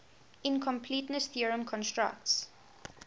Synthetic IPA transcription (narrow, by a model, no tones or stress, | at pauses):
ɪ̃nkʰɔ̃mpʰliˑtnəsθiəɹə̃mkʰɔ̃nstɹa̰k̚ts